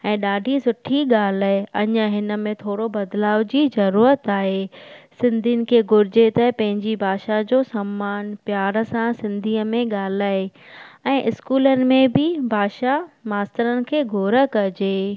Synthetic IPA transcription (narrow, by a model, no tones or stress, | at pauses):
ɛ̃ːɗaːɖʱisʊʈʰiɠaːlaeɐɲəɦɪnə̆mẽt̪ʰoːɽobɐd̪laːʋd͡ʑiːzɐɾuːɾət̪aːɦesɪ̃nd̪ʱinɪ̆kʰeːɡʱʊɾɪd͡ʑet̪ɛpɐ̃ɦɪ̃ɲd͡ʑibʱaːʃad͡ʑoːsɐmːaːnpjaːɾəsãsɪ̃nd̪ʱiːəmẽɠaːl̤aːe | ɛ̃ːʔɪskuːlənɪ̆mẽbɪbʱaːʃamaːst̪əɾənɪ̆kʰeːɡʱoːɾə̆kɐd͡ʑeː